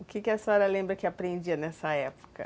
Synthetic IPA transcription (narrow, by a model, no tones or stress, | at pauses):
ʊkɪkɪɛsɛɾɐlẽmbɾɐkɪapɾẽnd͡ʒiɐnɛsɐɛpo̥kɐ̰